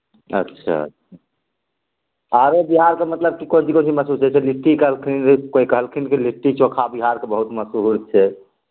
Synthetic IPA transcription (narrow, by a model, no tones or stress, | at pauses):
ə̰tːʃʰa̰ə̰t̪ːʃʰa | aɾebiɦaɾkemət̪ləb̚kikont͡ʃikont͡ʃiməsud͡ʒɛt͡ʃʰɛliʈːikəɦəlkʰinkoikəɦəlkʰinkeliʈːit͡ʃokʰabiɦaɾkebəɦut̪məsuɦɾt͡ʃʰɛ